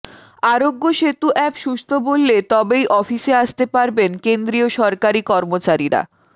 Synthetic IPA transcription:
aɾoɡːoʃet̪uʔɛpʃuʃt̪obolːet̪ɔbejʔɔfiʃeaʃt̪epaɾbenkend̪ɾioʃɔɾkaɾikɔɾmot͡ɕaɾiɾa̰

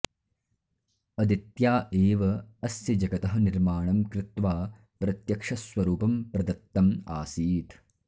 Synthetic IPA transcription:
ɐd̪it̪jaːʔeːʋɐɐsjɐd͡ʒɐɡɐt̪ɐɦɐniɾmaːɳɐmkɾɪt̪ʋaː | pɾɐt̪jɐkʂɐsʋɐɾuːpɐmpɾɐd̪ɐt̪ːɐma̰ːsiːt̪

